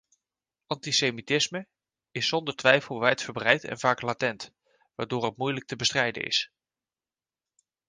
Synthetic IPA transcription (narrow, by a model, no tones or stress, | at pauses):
ɑntisejmitɪsmə | ɪsːɔndəɹtʋɛjfəlˠʋɛjtfəɹbrɛjtɛ̰nvaːklaːtɛnt | ʋa̰ːɹdoːɹɦətmujlək̚təbəstrɛjdə̰nɪ̰s